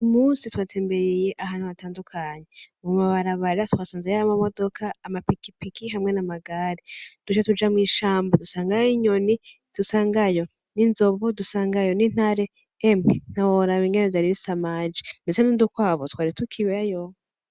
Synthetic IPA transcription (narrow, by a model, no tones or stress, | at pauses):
umuːnsitwaːtʰeːmbeɾijeʔaɦaːn̥huβataːndukʰaːɲeuumaβaɾaβaɾatwaːsaːnzejaβamamo̞do̞kʰaːmapikipikiɦamŋe̞namaɡaɾid̥ut͡ʃatud͡ʒamŋiːʃaːmbadusaːŋɡaiɲo̞ni | d̥usaːŋɡajo̞ | ninzo̞βodusaːŋɡajo̞nin̥haɾeː | mŋen̥awoɾaβiŋɡenevjaɾiβisamad͡ʒi̥ndet͡senindukwaːβotwaːɾitukʰiβeajo